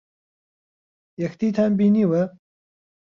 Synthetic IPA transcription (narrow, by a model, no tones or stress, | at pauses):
jɐxt̪iːt̪ʰaːnbiːniːwɐ